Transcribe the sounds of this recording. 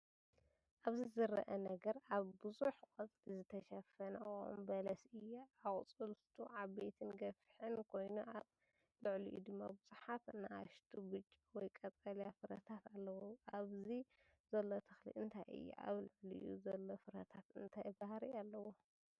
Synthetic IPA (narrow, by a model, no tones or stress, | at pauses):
ʔaβzizɨɾɐʔɐnɐɡɐɾʔaβbɨzuħkʼɨt͡sʼlizɨt̪ʰɐʃɐfɐnɐṵmbɐlɐsɨjːuakʼt͡sʼɨlt̪ʰuʕaβbet̪ʰɨnɡɐfħɨnkʰo̞jnuʔaβ | lɨʕlḭʔṵd̪ɨmːabɨz̥ʼuħat̪nɨa̰ʃt̪ʰubɨt͡ʃʼːiwɔjkʼɐt͡sʼɐljafɨɾɐ̰t̪ʰat̪alːɐwoʔaβzi | zɐlːot̪ʰɨxlḭʔɨnt̪ʰajʔɨ̰jːṵʔa̰βlɨʕlḭjʔṵzɐlːo̞fɨɾɐt̪ʰat̪ɨnt̪ʰajbahɾialːɐwo